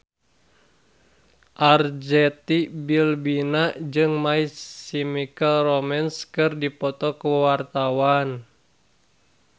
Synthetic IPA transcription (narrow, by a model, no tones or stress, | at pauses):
ʔard͡ʒɛt̪ibilbinad͡ʒɨŋmaiimikəlromɛnskɨrdipɔt̪ɔkəwart̪awan